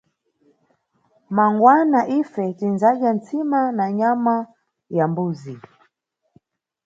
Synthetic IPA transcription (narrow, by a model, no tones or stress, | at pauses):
maŋɡwanaʔifɛtinzaʄant͡simanaɲama | jambuːzi